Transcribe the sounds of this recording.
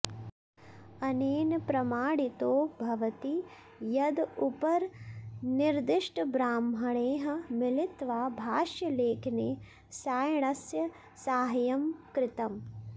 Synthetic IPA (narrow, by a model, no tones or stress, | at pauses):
ɐneːnpɾɐmaːɽit̪oːbʱɐʋɐt̪i | jɐd̪upɐɾniɾd̪ɪʂʈbɾaːmɦɐɽeːɦɐ̆mɪlɪt̪ʋaːbʱaːʃjɐleːkʰneː | saːjɳ̃ɐsjɐ | saːɦjɐmkɾɪt̪ɐm